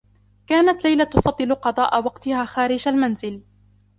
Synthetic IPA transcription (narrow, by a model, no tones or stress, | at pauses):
kaːnat̪lajlat̪ʊfɑd̪ˤːɨlqɑd̪ˤɑːʔawɑqt̪ɪhaːxaːɾɪd͡ʒalmanzɪl